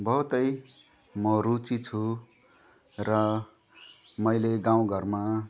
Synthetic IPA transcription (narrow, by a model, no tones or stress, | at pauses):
bʌɦut̪ʌj | mʌɾut͡sit͡sʰu | rʌ | mʌjleɡãw̃ɡʌrma